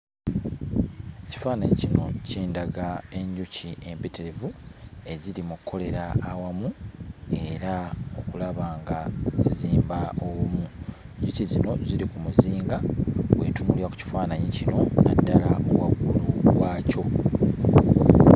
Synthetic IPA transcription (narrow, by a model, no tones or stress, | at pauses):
eci̥faːnaɲicino̞̰ceːndaɡae̞ɲɟucie̞mpeteɾevue̞zilimukʰːo̞le̞ɾaːwamue̞ɾao̞kulaβaːŋɡaziziːmbaowumu | ɲɟucizino̞ziɾikumuziːŋɡawe̞̰ːtunuliaku̥ci̥faːnaɲicino̞nadːalaʔowaɡuluwaːco̞